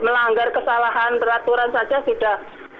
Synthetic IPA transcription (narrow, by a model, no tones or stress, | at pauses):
məlaŋɡarkəsalaɦanpəɾat̪uɾansad͡ʒasuda